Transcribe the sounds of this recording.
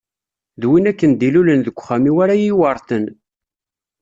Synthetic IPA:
ðwinækːənd̪ilulənðəɡʷːχæmiwaɾajiwɑɾˤθən

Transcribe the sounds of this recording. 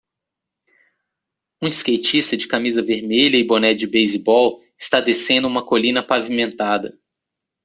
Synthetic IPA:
ũiskejt͡ʃist̪ɐd͡ʒɪkamizɐveɾmeʎɐɪbonɛd͡ʒɪbejzibɔw | ɪ̥st̪ad̪esẽnd̪ʊũmɐkolĩnɐpavimẽnt̪ad̪ɐ̰

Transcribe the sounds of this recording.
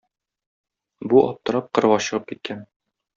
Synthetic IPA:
buʔɒp̚t̪ɤ̆ɾɑp̚qɤ̆ɾɤɒɕɤ̆ʁɤp̚kit̪̚kʰæn

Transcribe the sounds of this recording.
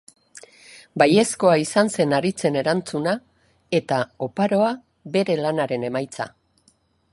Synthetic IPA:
baje̞sko̞aisanse̞naɾit͡se̞ne̞ɾant͡suna | e̞t̪ao̞paɾo̞a | be̞ɾe̞lanaɾe̞ne̞majt͡sa̰

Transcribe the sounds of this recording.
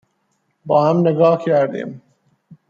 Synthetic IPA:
bɑːhamnɪɡɑːhkaɾd̪ḛːm

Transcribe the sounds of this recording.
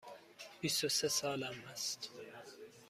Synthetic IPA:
bisosesɑːlæmæst̪

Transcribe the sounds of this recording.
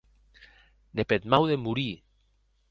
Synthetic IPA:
nepet̪mawðemuɾi

